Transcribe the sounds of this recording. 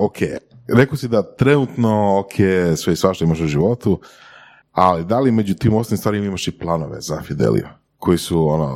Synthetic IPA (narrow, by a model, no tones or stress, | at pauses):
okʰḛːɾekosid̪at̪ɾe̞nut̪no̞okʰeːsʋeisʋaʃt̪oimaʃuʒiʋo̞t̪u | alid̪alime̞d͡ʑut̪iːmosalimst̪aːɾimimaʃiplˠano̞ʋe̞̰za̰fid̪ḛlḭju | kʰo̞jisuono̰